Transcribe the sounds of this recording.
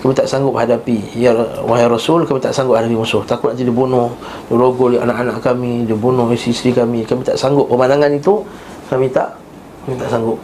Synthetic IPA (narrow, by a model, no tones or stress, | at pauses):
kamĩt̪aʔsaŋɡʊp̚hadapijawaɦaɾasulkamĩt̪a̰ʔsaŋɡʊp̚hadapimusʊht̪akʊt̪naʔt̪idibunʊh | diɾoɡʊljʔanaʔanaʔkamidibunʊhisisɾikamĩkamĩt̪a̰ʔsaŋɡʊp̚kəmanaŋanit̪u | kamĩt̪a̰ʔ | kamit̪aʔsaŋɡʊp̚